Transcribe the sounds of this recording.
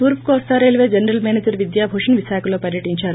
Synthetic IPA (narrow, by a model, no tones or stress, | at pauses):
puːɾpkoːst̪aːɾeːlʋeːd͡ʒɐnɾɐlmeːned͡ʒɐɾʋid̪jaːbʱoːʂɐnʋiʃaːkɐlo̞ːpɐɾjɐʈiɲt͡ʃaːɾ